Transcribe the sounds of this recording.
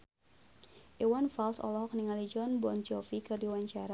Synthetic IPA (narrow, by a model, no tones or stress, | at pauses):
ʔiwanfalsɔ̰lɔɦɔk̚niŋalid͡ʒɔnbɔnt͡ʃɔfikɨrdiwaɲt͡ʃaɾa